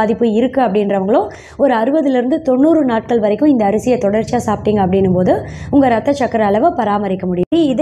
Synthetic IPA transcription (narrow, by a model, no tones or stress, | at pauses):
aːðɪpːɯɪɾɯkːɯɐpːɐɽɪndɾɐʋɐŋɡɐɭõː | ɔɾɯɐɾɯbɐðɪlɪɾɯnd̪ɯt̪ɔɳːuːɾɯnaːʈ̚kɐɭʋɐɾɐɪkːʊ̃ɪnd̪ɐːɾɐsɪjɐt̪ɔɽɐɾt͡ʃːɪjaːsaːpɪʈːiːŋɡɐɐp̬ːɐɽɪnːɯmpoːðɯʊŋɡɐɾɐt̪ːɐt͡ʃɐkːɐɾɐːlɐʋɐpɐɾaːmɐɾɪkːɐmʊɽɪiɪðɐ